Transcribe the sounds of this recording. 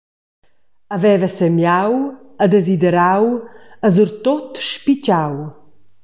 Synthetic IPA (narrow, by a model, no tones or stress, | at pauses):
avɛvəsɛmjawəd̪ezid̪ɛɾawəzuɾt̪ot̪ʃpit͡ɕaw